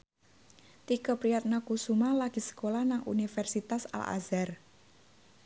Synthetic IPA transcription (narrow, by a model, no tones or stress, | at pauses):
t̪ikɔpɾijat̪̚nakusumalaɡ̥i̤sə̥kolahnaŋṵnifɛrsit̪asa̰lʔa̰zɛr